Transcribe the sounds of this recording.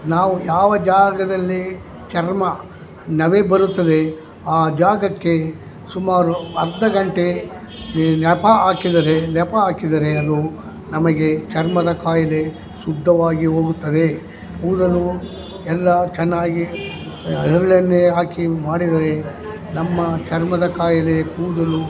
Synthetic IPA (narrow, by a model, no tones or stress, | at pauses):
naːʋujaːʋɐd͡ʒaːɡɐd̪ɐlːi | t͡ʃɐɾmɐ | nɐʋebɐɾut̪ːɐd̪e̞ | aːd͡ʒaːɡɐkːe̞ | sumaːɾuɐɾd̪ɐɡɐɳʈe̞ | nɛpɐaːkid̪ɐɾe̞lɛpɐaːkid̪ɐɾeɐd̪u | nɐmɐɡe̞t͡ʃɐɾmɐd̪ɐkaːjɐle̞ | sud̪ʱːɐʋaːɡiɦoːɡut̪ːɐd̪e̞ | puːd̪ɐlu | ɛlːɐt͡ʃɛnːaːɡi | ɐɦɐɾɐɭɐnːeɦaːkimaːɽid̪ɐɾe̞ | nɐmːɐt͡ʃɐɾmɐd̪ɐkaːjɐle̞puːd̪ɐlu